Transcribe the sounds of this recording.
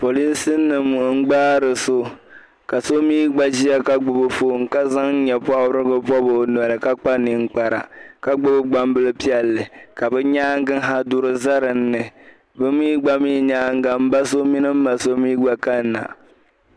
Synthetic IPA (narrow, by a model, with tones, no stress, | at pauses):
po˨li˦nsɨ˦nːɨ˨m˨ŋ̩˦ɡ͡baː˦ɾɨ˨so˦ | ka˨so˦miː˦ɡ͡ba˦ʒi˦a˦ka˦ɡ͡bʊ˨bɨ˨fo˦˨ŋ̩˦ka˦za˦ŋ˦ɲɛ˨pɔ˦wɾɨ˦ɡɨ˦pɔ˦bo˨n˨ɛ˨lɨ˨ka˦k͡pa˦nɨ˨ŋ̩˦k͡pa˨ɾa̰˨ka˦ɡ͡bʊ˦bɨ˦ɡ͡ba˦m˦bɨ˦lɨ˦pi˦ɛ˨lːɨ˨ka˨bɛ˦ɲaː˦ŋ˦ɡɨ˦ŋ˦ɦa˦dʊ˦ɾɨ˦za˦ɾɨ˨n̩ː˦ɨ˨ | bɛ˦miː˦ɡ͡ba˦miː˦ɲaː˦ŋ˦ɡa˨m̩˦ba˦so˦mi˦nɨ˦m̩ː˦a˨so˦miː˦ɡ͡ba˦ka˦n˦na̰˨